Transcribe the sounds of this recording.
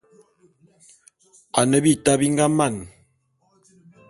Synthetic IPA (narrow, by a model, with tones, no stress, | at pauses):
a˨nə˦bi˦ta˦bi˦ŋ˦ɡa˦ma˦˨n